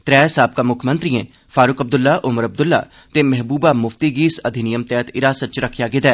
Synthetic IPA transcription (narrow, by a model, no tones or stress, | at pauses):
t̪ɾɛːsaːb̚kamʊkʰmənt̪ɾiːẽː | fʰaːɾʊkəb̚d̪ʊlːaːʔʊməɾəb̚d̪ʊlːa̰ː | t̪eːmɛɦbuːbaːmʊft̪iːɡiːsəd̪ʱɪnɪjəmt̪ɛːt̪ɪɾaːsət̪̚t͡ʃɾəkʰːjaːɡɪd̪ɛː